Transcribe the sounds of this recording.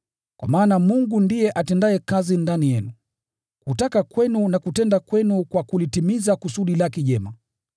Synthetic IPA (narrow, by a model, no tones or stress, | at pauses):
kwa̰maːnamuŋɡundijɛʔatɛndajɛkazindanijɛnu | kutakakwɛnunakutɛndakwɛnukwakulitimizakusuɗilakɛʄɛma